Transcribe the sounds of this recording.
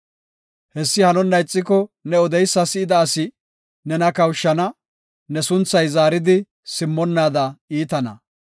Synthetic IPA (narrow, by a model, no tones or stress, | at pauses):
hɛsːɪhɐnɔnːɐjt͡sʼːɪkɔnɛɔd̪ɛjsːɐsɪɪd̪ɐːsɪ | nɛnɐkɐwʃːɐnɐ | nɛsʊnt͡sːɐjzaːɾɪd̪ɪ | sɪmːɔnːaːd̪ɐiːt̪ɐnɐ̰